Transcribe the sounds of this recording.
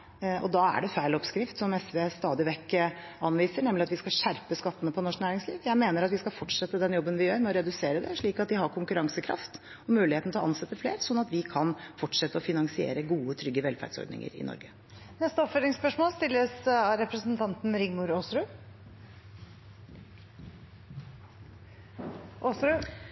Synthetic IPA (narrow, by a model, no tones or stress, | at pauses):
ɔ̰d̪ɑæ̰ɖɛfæɪlɔpskɾɪft̪sɔmɛsʋest̪ɑːd̪ɪʋɛkːə | ɑnʋiːsəɳɛmlɪɑt̪ʋɪskɑlɕæɾpəskɑt̪ːənəpʰɔnɔʂknæːɾɪŋsliːʋjæɪmeːnəɾɑt̪ʋɪskɑfɔʈʂɛt̪ːəd̪ɛnjɔbːənʋɪjøːɾmɛɔɾɛd̪ʉseːɾəd̪ɛʂɭiːkɑt̪̚d̪ɪɦɑɾkʰʊŋkʉɾɑŋsəkʰɾɑ̰ft̪ | ɔmʉːlɪheːt̪nt̪ʰlɔʔɑnsɛt̪ːəfleːɾsɔnːɑt̪ʋɪkʰɑnfɔʈʂɛt̪ːəɔfɪnɑŋsɪḛːɾəɡuːət̪ʰɾʏɡːəʋɛlfæ̰ɖ̥sɔ̰ɾɖ̪nɪ̰ŋə̰ɾɪ̰nɔ̰ɾɡə | nɛst̪əɔpfœɾnɪŋspœʂmoːlst̪ɪlːəsɑɾɛpɾəsn̩t̪ʰɑnt̪n̩ɾɪŋmʊɾoːsɾʉ | osɾʉ